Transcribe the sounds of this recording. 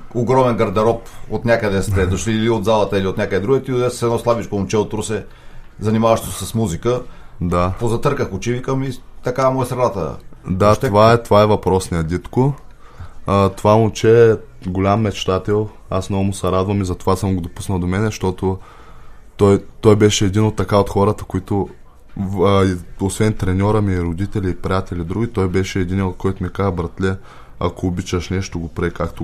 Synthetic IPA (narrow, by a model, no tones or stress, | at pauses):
oɡɾɔmɛnɡɐɾd̪ɐɾɔpot̪nʲakəd̪ɛst̪ɛd̪oʃliːliod̪zalˠɐt̪əiliot̪nʲakəd̪ɛd̪ɾuɡɛt̪iot̪ɛssɛd̪nɔslˠabit͡ʃkomʊt͡ʃɛot̪ːɾusɛ | zɐnimavɐʃt̪o̥ssɐsmuzikəd̪apozɐt̪ɤɾkəxʊt͡ʃivikəmit̪ɐkaɛmɔɛsɾɐnat̪ə̰d̪at̪ovaɛt̪ovaɛvɐpɾɔsnijɐd̪ʲit̪ko | t̪ovamʊt͡ʃɛɛ | ɡolʲamːɛt͡ʃt̪at̪ɛlˠ | asnɔɡʊmʊsɐɾad̪vɐmizɐt̪ovasəmɡod̪opusnəlˠd̪omɛnɛʃt̪ɔt̪o | t̪ɔjt̪ɔjbɛʃɛːd̪inot̪ːɐkaot̪xɔɾət̪ə̥koit̪o | iosvɛnt̪ɾɛnʲɔɾəmiːɾod̪it̪ɛlʲɛipɾijat̪ɛlʲid̪ɾuɡʲit̪ɔjbɛʃɛːd̪iniɛot̪̚kʰɔjt̪ʊmikaɐbɾɐt̪lʲɛ | a̰koːbit͡ʃəʃnɛʃt̪oɡopɾɛkakt̪o